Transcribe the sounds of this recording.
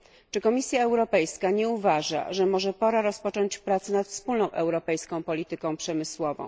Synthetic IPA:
t͡ʂɘkɔmʲisʲjaɛwɾɔpɛjskaɲɛuvaʐa̰ʐɛmɔʐɛpɔɾaɾɔspɔt͡ʂɔɲt͡ɕpɾat̪sɘnat̪fspulnɔ̃w̃ʔɛwɾɔpɛjskɔ̃w̃pɔlʲit̪ɘkɔ̃w̃pʂɛmɘswɔvɔ̰̃w̃

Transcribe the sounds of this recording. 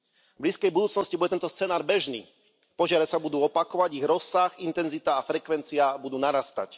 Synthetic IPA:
bliːskɛjbud̪uːt͡snɔscibuɟɛt̪ɛnt̪ɔst͡sɛnaːɾbɛʒnḭː | pɔʒɪaɾɛsabud̪uːɔpakɔʋaɟiɣɾɔsaxint̪ɛnzit̪aːfɾɛkʋɛnt͡siabud̪uːnaɾast̪a̰c

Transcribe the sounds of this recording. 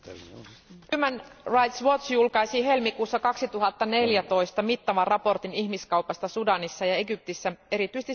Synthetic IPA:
hymænrɑjt̪sʋo̞t̪sjulkɑjsiɦe̞lmikuːsːɑkɑksit̪uɦɑt̪ːɑne̞ljæt̪o̞jst̪ɑmit̪ːɑʋɑrɑpo̞rt̪iniçmiskɑwpɑst̪ɑsudɑnisːɑjɑe̞ɡyp̚t̪isːæe̞ɾit̪yist̪i

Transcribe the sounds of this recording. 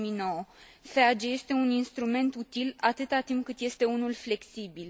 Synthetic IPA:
minoo | fead͡ʒeje̞st̪e̞uninst̪ɾume̞nt̪ut̪ilat̪ɨt̪at̪impkɨt̪je̞st̪e̞unulfle̞ksibil

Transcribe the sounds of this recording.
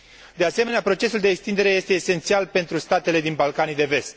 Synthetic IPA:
d̪e̞ase̞me̞neapɾo̞t͡ʃe̞suld̪e̞ːkst̪ind̪e̞ɾe̞je̞st̪eːse̞nt̪sialpe̞nt̪ɾust̪at̪e̞le̞d̪inbalkanid̪e̞ve̞st̪

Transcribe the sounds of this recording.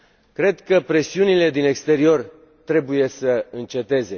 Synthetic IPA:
kɾe̞d̪kəpɾe̞siunile̞d̪ine̞kst̪e̞ɾio̞r | t̪ɾe̞buje̞səɨnt͡ʃe̞t̪e̞ze̞

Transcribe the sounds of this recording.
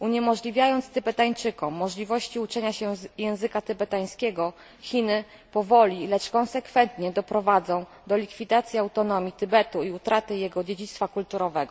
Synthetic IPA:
uɲɛmɔʐlʲivʲjajɔnt̪st̪ɘbɛt̪aɲt͡ʂɘkɔmːɔʐlʲivɔɕt͡ɕiut͡ʂɛɲaɕɛjɛ̃w̃zɘkat̪ɘbɛt̪aj̃skʲɛɡɔ | xʲinɘ | pɔvɔlʲilɛt͡ʂkɔ̃nsɛkfɛnt̪ɲɛd̪ɔpɾɔvad̪zɔ̃w̃ | d̪ɔlʲikfʲid̪at̪sʲjiawt̪ɔnɔmʲit̪ɘbɛt̪uiut̪ɾat̪ɘjɛɡɔd͡ʑed͡ʑit̪st̪fakult̪uɾɔvɛɡɔ

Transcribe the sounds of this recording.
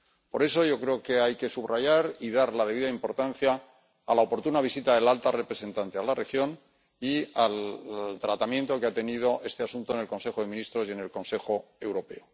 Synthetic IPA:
po̞ɾe̞so̞ʝo̞kɾe̞oke̞ajke̞suβraʝaɾiðaɾlað̞eβiðaimpo̞ɾt̪anθjaː | laopo̞ɾt̪unaβ̞isit̪aðe̞lalt̪are̞pɾe̞se̞nt̪ant̪ealarʔe̞xjo̞n | ialt̪ɾat̪amjẽ̞nt̪o̞keat̪e̞niðo̞ʔe̞st̪e̞asunt̪o̞enelko̞nse̞xo̞ð̞e̞mĩnist̪ɾo̞sje̞ne̞lko̞nse̞xo̞e̞wɾo̞pe̞̰o

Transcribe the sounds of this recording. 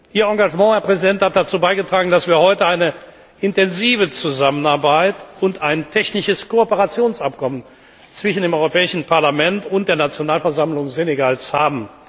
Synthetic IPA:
ʔiːɐɑ̃ɡaʒmɑ̃ːhɛɐpʁ̥ɛzidɛnthat̚d̥at͡suːbaɪɡətʁ̥aːɡŋ̩dasv̥iːɐhɔʏtəaɪnə | ʔɪntɛnziːvət͡suzamənaɐbaɪtʊntaɪntʰɛçnɪʃəskoopəʁat͡sjoːnsʔap̚kʰɔmən | t͡sv̥ɪʃn̩deːmɔʏʁopɛːɪʃn̩pʰaɐlamɛntʊntd̥eːɐnat͡sjonaːlfɛɐzamlʊŋzeneɡalshaːbm̩

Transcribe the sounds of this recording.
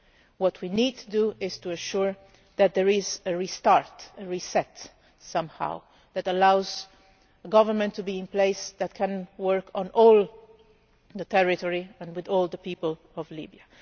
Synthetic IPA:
wɔtʰwinid̚tʰuduʔɪz̥tuɛ̃ʃuɹ | ðæt̪̚d̪ɛɹɪzəɹistaɹtəɹisɛt | sʌ̃mha̰ʊ | ðætəlaʊz | əɡʌvəɹmə̃nt̪ʰːubiɪ̃npleɪsðæt̚kʰɛ̃nwɜɹkʰɔ̃nʔɔlˠ | ðət̪ʰɛɹɪtɔɹiɛ̃nwɪðɔlˠdəpipəl | ɔvlḭbia

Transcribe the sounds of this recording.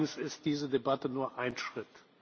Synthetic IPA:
n̩sɪst̚d̥iːzədebatənuːɐʔaɪnʃʁ̥ɪt

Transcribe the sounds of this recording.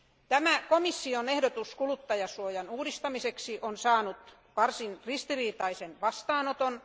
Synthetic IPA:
t̪æmækomisːionehdot̪uskulut̪ːɑjɑsuojɑnuːdist̪ɑmiseksiʔonsɑːnut̪ | ʋɑrsinrist̪iriːt̪ɑisenʋɑst̪ɑːnot̪on

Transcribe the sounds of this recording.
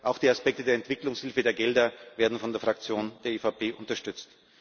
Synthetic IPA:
ʔaʊxd̥iːaspɛk̚tədeːɐɛntv̥ɪklʊŋshɪlfədeːɐɡɛldɐveːɐdn̩fɔndeːɐfʁ̥ak̚t͡sjoːnd̥eːɐeːfapʰeːʔʊntɐʃtʏt͡st

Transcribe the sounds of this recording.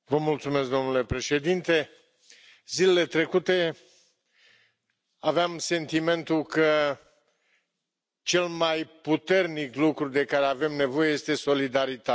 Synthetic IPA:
vəmult̪sume̞sk̚d̪o̞mnule̞pɾe̞ʃe̞d̪int̪e̞ | zile̞le̞t̪ɾe̞kut̪e̞ | aveamse̞nt̪ime̞nt̪ukə | t͡ʃe̞lmajput̪e̞rniklukɾud̪e̞kaɾe̞ave̞mne̞vo̞je̞je̞st̪e̞so̞lid̪aɾit̪a

